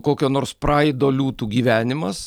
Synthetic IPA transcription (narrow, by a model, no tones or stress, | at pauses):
koːkʲoːnoːɾspɾɑːɪd̪oːlʲuːt̪uːɡʲiːʋʲæːnʲɪmɐs